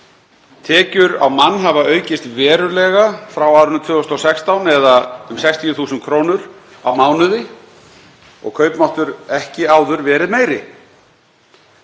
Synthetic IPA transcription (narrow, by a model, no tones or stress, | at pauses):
t̪ʰɛːcʏɾa̰wmanːɦavaœːɥcɪst̪vɛːɾʏlɛɣafɾawawɾʏnt̪ʰʏːɔst̪ɔsɛkst̪awnɛðaʏmsajkst̪ʰijʏθuːsʏnkʰɾoːwnʏɾ | a̰wmaːwnʏðɪ | ɔ̰ɣkʰœɥpnɔht̪ʏɾɛhcɪaːwðʏɾvɛːɾɪðmeːjɾɪ